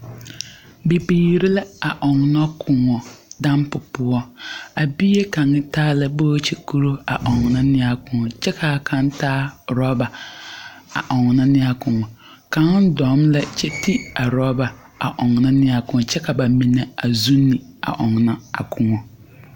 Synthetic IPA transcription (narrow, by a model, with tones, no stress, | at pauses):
be˨biː˨ɾɪ˦la˦a˨ʔɔ˨ŋ˨nɔ˦kʰʊ˨ŋɔ˨da˦mpʊ˨pʊ˦ɔ˦a˨bi˦e˦ka˨ŋɪ˦taː˦lɛ˦boː˦t͡ʃe˨ku˦ɾo˦a˨ʔɔ˨ŋ˨na˦nɪ˦a˨kʊ˨ŋɔ˨t͡ʃɛ˦kʰa˨kʰa˦ntaː˦ɾɔ˦ba˨ | a̰˨ʔɔ˨ŋ˨na˦nɪ˦a˦kʊ˨ŋɔ˨ | ka˨˦ŋɪ˦dɔ˨˦mlɛ˦t͡ʃɛ˦ti˦a˨ɾɔ˦ba˨ | a̰˨ʔɔ˨ŋ˨na˦nɪ˦a˨kʊ̃˨ŋ˨t͡ʃɛ˦ka˨ba˨mi˨nɛ˨a˨zu˦nːɪ˨a̰˨ʔɔ˨ŋ˨na˦a̰˨kʰʊ˨ŋɔ˨